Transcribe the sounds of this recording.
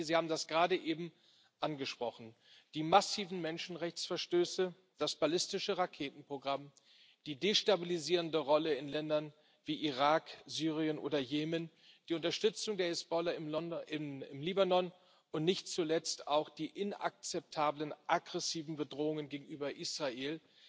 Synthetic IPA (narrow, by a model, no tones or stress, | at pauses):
ziːhaːbm̩dasɡ̥ʁaːdəʔeːbm̩ | ʔanɡəʃpʁ̥ɔχn̩ | d̥iːmasiːvn̩mɛnʃn̩ʁɛçt͡sfɛɐʃtøːsə | d̥asb̥alɪstɪʃəʁakʰeːtn̩pʁ̥oɡʁam | d̥iːdeːʃtabiliziːʁəndəʁɔləɪnlɛndɐn | v̥iːʔiʁaːkz̥yːʁ̞iənʔo̰ːdɐjeːmən | d̥iːʊntɐʃtʏt͡sʊŋdeːɐɪsb̥ɔlɐɪmɔnɪmɪmliːbanɔn | ʊntnɪçtt͡sulɛt͡staʊxd̥iːʔɪna̰k̚t͡sɛp̚tʰaːblənʔaɡʁɛsiːvn̩bədʁoːʊŋənɡeːɡŋ̩yːbɐʔiːsʁ̥aʔeːl